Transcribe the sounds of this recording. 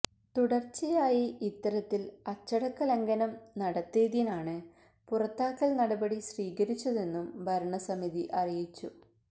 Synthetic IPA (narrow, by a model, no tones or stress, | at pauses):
t̪uɽɐrt͡ɕːijaːjiit̪ːɐɾɐt̪ːilɐt͡ɕːɐɽɐkːɐlɐŋɡɐnɐmnɐɽɐt̪ːeːðjinaːɳɨ | purɐt̪ːaːkːɐɭnɐɽɐbɐɽiɕriːɣɐɾit͡ɕːɐðe̞nːumbʱɐɾɐɳɐsɐmiðiʔɐrijit͡ɕːu